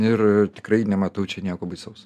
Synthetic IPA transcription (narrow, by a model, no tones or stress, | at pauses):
ɪrtʲɪ̥krɐɪnʲɛmɐt̪ɐʊt͡ʃʲɛnʲiɛkoːbɐɪsɐʊs